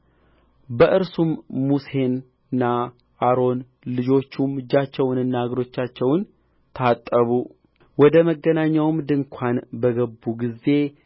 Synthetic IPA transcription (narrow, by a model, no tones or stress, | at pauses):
bəʔɨɾsumːuse̞n | ɨnːa | ʔaɾo̞n | lɨd͡ʒo̞t͡ʃːumɨd͡ʒat͡ʃːɛwnɨnːaɡɾo̞t͡ʃːat͡ʃːɛwn | t̪ʰat̪ʼːəβu | wɔd̪əməɡːənaɲːawmd̪ɨŋkʷʰanbəɡəbːuɡize̞